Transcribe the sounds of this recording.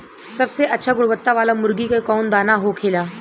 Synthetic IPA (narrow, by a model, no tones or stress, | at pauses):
səbseʔətːɕʰaɡuɽʋət̪ːaʋalamuɾɡikekɔnd̪anaɦokʰela